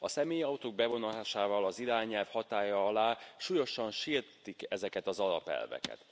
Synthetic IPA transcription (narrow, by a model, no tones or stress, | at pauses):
ɒsɛmeːjɒut̪oːɡ̚bɛvo̞nɒlaːʃaːvɒlɒziɾaːɲɛlfhɒt̪aːjɒɒlaːʃuːjo̞ʃɒnʃirt̪ikɛzɛkɛt̪ɒzɒlɒ̰pɛ̰lvɛ̰kɛ̰t̪